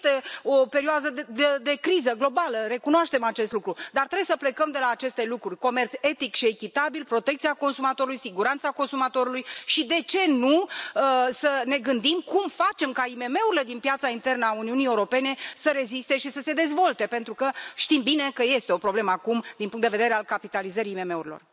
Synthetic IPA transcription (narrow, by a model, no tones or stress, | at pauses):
t̪eope̞ɾioazəd̪ed̪e̞kɾizəɡlo̞baləɾe̞kunoaʃt̪e̞mat͡ʃe̞st̪lukɾud̪art̪ɾebjesəple̞kəmd̪e̞laːt͡ʃe̞st̪e̞lukɾurʲko̞me̞rt̪se̞t̪ikʃie̞kʲit̪abilpɾo̞t̪ekt̪siako̞nsumat̪o̞ɾulujsiɡuɾant̪sako̞nsumat̪o̞ɾulujʃid̪e̞t͡ʃe̞nuəsəne̞ɡɨnd̪imkumfat͡ʃe̞mkaime̞me̞uɾile̞d̪inpjat̪saint̪e̞rnəauniunije̞uɾo̞pe̞ne̞səɾe̞zist̪e̞ʃisəse̞d̪e̞zvo̞lt̪e̞pe̞nt̪ɾukəʃt̪imbine̞kəje̞st̪eo̞pɾo̞ble̞məakumd̪inpuŋt̪d̪eved̪eɾe̞alkapit̪alizəɾiːme̞me̞uɾilo̞̰r